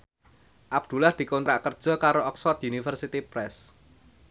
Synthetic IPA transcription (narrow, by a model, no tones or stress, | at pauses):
ʔab̥̚d̪̥ṳlahd̪̥i̤kont̪ɾaʔkərd̥ʒ̥ɔ̤kaɾoɔksfɔt̪iunifərsit̪ipɾɛs